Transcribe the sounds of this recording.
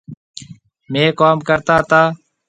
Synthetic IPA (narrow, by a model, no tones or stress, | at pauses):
mẽːkaːmkəɾt̪aːt̪aː